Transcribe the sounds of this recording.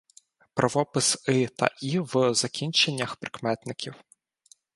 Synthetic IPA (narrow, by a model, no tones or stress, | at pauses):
pɾʔɐʋɔpɪsɪt̪ɐ̰ʔiwzɐkʲinʲt͡ʃenʲːɐxpɾɪ̥kmɛt̪nɪkʲiw